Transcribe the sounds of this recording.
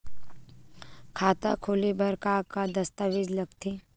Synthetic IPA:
kʰaːt̪a̰kʰoːlebʱɐɾkaːkad̪ɐst̪aʋɪd͡ʒlɐɡt̪ʰe

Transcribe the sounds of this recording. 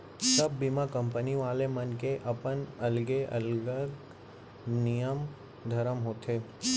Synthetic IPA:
sɐbːimakɐ̃mpəniʋaːlemɐnkeʔɐpənɐlɡeʔɐ̰lɡək | nijəm | d̪ʱɐɾəmɦoːt̪ʰeː

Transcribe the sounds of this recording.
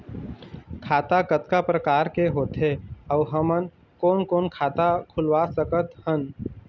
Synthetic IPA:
kʰaːt̪akət̪kapɾəkaːɾkeɦoːt̪ɦeəʋɦəmən | koːnkoːnkʰaːt̪akʰʊlwasəkət̪hən

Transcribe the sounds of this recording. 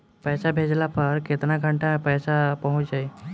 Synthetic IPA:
pɛːsabʱed͡ʒlapəɾket̪ɾnãɡʱəɳʈamẽpɛːsapəɦʊ̃t͡ʃd͡ʒaːi

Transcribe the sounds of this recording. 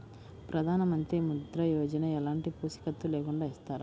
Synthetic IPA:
pɾʔɐd̪ʱaːnɐmɐnt̪ɾimud̪ɾɐjoːd͡ʒɐnɐɛlaːɳʈipuːsi̥kɐt̪ːulɛːkuɳɖaːist̪aːɾu

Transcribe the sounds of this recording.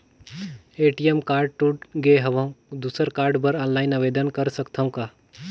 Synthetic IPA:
eːʈijemkaːɾɖ̚ʈuʈɡeɦɐʋə̃ũd̪uːsəɾkaːɾɖbəɾɔ̃ːnlaːɪnɐʋeːd̪ənkɐɾsɐkt̪ʰaɦũkaː

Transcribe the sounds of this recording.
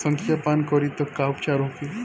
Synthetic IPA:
səŋkʰjapankɔɾit̪ɔkaup̚t͡ʃaɾɦoki

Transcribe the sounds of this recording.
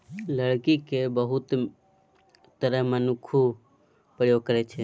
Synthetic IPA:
ləɽkikebəɦut̪ | t̪əɾəɦmənukʰu | pɾəjoɡ̚kəɾɛt͡ʃʰɛ

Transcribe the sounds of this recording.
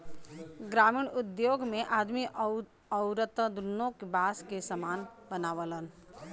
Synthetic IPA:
ɡɾaːmiɽʊd̪joːɡmẽʔaːd̪mi | əʊɾət̪əd̪unːõkbaːskesəmaːnbənaːʋələn

